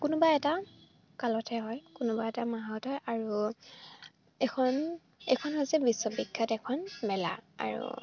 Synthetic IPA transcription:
kunʊbaɛta | kalɔtʰɛɦɔjkunʊbaɛtamaɦaɔtɔjʔaɹu | ɛkʰɔn | ɛ̰kʰɔnɦɔjzɛbisːɔbikʰːatɛkʰɔnmɛla̰a̰ɹṵ

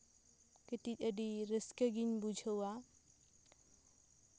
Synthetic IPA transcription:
ket̪it̪əɖiɾəskəɡinbud͡ʒʱəwa

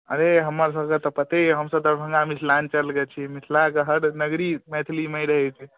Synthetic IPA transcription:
ə̰ɾeɦəmːəɾs̬əɦkət̪ɔpət̪eɦəmsəb̚d̪əɾbʱəŋɡamisʰlant͡ʃəlɡɛt͡ʃʰimit̪ʰlakəɦəɽnəɡɾimɛt̪ʰlimeɾəɦɛt͡ʃʰi

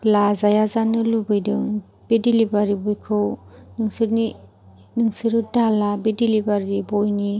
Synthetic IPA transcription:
plazajazanɯlubɯjdɯŋ | b̥edilibaɾibɔjkʰɯwnɯŋsɯɾni | nɯŋsɯɾɯdalabedilibaɾibojni

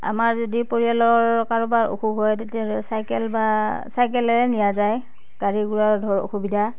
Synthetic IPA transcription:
a̰maɹzodipoɹialɔɹkaɹubaɹo̰xuɦɔjtetiasajkɛlbasajk̬ɛlɛɹɛnijazaj | ɡ̥aɹiɡuɹaɹdʱɔɹo̰xubidʱa

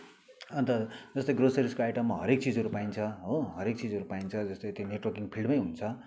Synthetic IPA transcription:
ʌnt̪ʌd͡zʌst̪ʌjɡrosʌɾiskoajʈʌmːaɦʌɾek̚t͡sid͡zʱɦʌɾupaint͡sʰʌɦoɦʌɾek̚t͡sid͡zɦʌɾupaint͡sʰʌd͡zʌst̪ʌjt̪joneʈwʌrkiŋpʰilɖmʌjɦunt͡sʰʌ

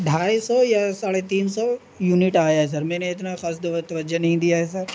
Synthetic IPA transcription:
ɖʱaːjsɔjasaːɽet̪iːnsɔ | juːnɪʈaːjaɦɛs̬ɐɾmɛ̃ːneɪt̪naxaːsd̪t̪ɐʋəd͡ʒənɐɦĩd̪ijaɦɛs̬ɐɾ

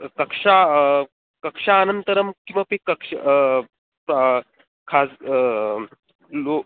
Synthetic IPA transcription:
kɐkʂa | kəkʂaːnənt̪əɾəmkĩw̃ʋapekəkʂ | kʰas | lo

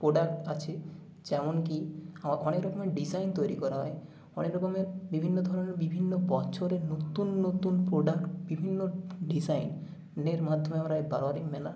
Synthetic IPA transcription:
pɾoɖak̚ʈat͡ʃʰe | d͡ʒɛmonkiaaɔnekɾɔkomeɖizajnt̪ojɾikɔɾaɦɔe | ɔnekɾɔkomeɾbibʱinːod̪ʱɔɾɔneɾbibʱinːobɔt͡ʃʰoɾenot̪unːot̪unpɾoɖakʈbibʱinːoɖizajn | neɾmad̪ʱːomeamaɾajbaɾoaɾikmɛla

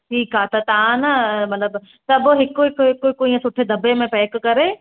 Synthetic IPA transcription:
ʈʰiːkɦaːt̪ɐt̪ɐãnɐmɐt̪ləb | t̪ɐɐboɦɪkoɦɪkoɦɪkoɪkoiːə̃sʊʈʰed̪ɐbemẽpɛːkkɐɾe

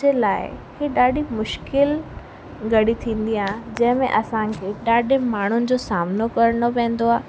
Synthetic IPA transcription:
elaːɪkiɗaːɗimʊʃkɪl | ɡɐɽit̪ʰĩːn̆d̪iãːd͡ʑɐ̃ɦɪ̃mḛ̃ʔɐsãkʰeːɗaːɗʱɪmaːɳ̤ʊnɪ̆d͡ʑoːsaːmnokɐɾəɽopɛ̃ːn̆d̪oaː

